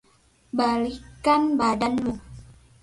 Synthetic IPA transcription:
balikanbadanmu

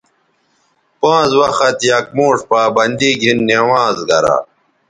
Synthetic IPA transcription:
pãːzwɐxɐt̪jaːk̚moːʂpaːbɐnd̪iːɡʱinːeːwaːzɡʱɐɾa̰ː

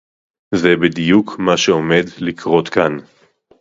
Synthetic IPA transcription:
zebidijukmaʃeome̞dlikʰʁo̞t̪kan

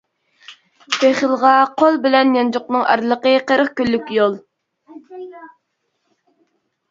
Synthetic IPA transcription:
pʰeχəlˠʁɑqʰolˠbɪlɛnjɑnd͡ʒoqnɨŋʔɑ̰ɾlˠəqəqəɾəχkʲylːykʲjolˠ

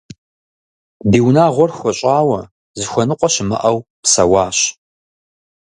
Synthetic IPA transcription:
diːwnaːʁʷɔrxʷɔɕʼaːwɐ | zɨxʷɐnɨqʷɔʃɕɪmɐ̰ʔɐwpsɐwɑːɕ

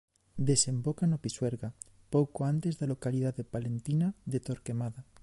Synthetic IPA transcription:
d̪ese̞mbokanopisweɾɣa | powkoant̪e̞zðalo̞kaliðaðepalent̪inaðet̪oɾkemaða

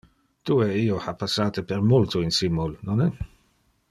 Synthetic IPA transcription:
t̪ueiːohapasːaːt̪epeɾmult̪oinsimːulnɔnɛ

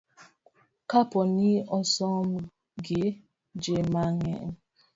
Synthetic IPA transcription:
kapɔniɔsɔm | ɡe | d͡ʒemaŋɛ̰

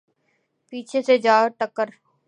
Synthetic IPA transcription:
piːt͡ʃʰesed͡ʒaːʈəkːəɾ

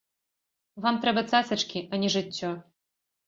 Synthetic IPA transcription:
vamt̪ɾɛbɐt͡s̪asɨt͡ʂkʲiʔanʲiʐɨtʲːɔ

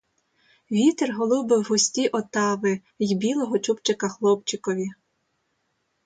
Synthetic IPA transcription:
ʋʲit̪erɦɔlˠʊwbɪwɦɔsʲtʲiʔɔt̪ɑʋɪ | jbʲilˠɔɦɔt͡ʃupt͡ʃekɐxlˠɔpt͡ʃɪkɔʋʲi

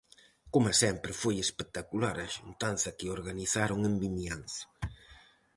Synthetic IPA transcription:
komasɛmpɾɪfojespek̚t̪akulaɾɐʃunt̪anθɐkɪoɾɣaniθaɾoŋembimianθɐ̥

